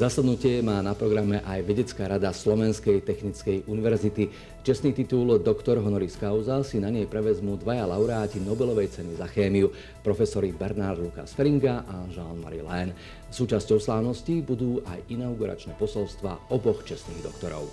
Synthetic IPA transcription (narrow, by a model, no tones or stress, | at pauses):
zasad̪nucɪɛmaːnapɾɔɡɾamɛʔajʋɛɟɛt͡skaːɾad̪aslɔʋɛnskɛjt̪ɛxnit͡skɛjʔuniʋɛɾzit̪i | t͡ʃɛst̪niːt̪it̪uld̪ɔkt̪ɔɾɦɔnɔɾiskaʊzasinaɲɛjpɾɛʋɛzmud̪ʋajalaʊɾɛaːcinɔbɛlɔʋɛjt͡sɛnizaxɛːmiu | pɾɔfɛsɔɾibɛɾnaɾd̪luka̰sfɛɾiŋɡaʔaʒanma̰ɾḭlɛn | suːt͡ʃascɔʊslaːʊnɔscibud̪uːʔa̰jinaʊɡuɾʔa̰t͡ʃnɛːpɔsɔlst̪ʋa̰ːɔbɔxt͡ʃɛsniːɣd̪ɔ̰kt̪ɔɾɔ̰ʊ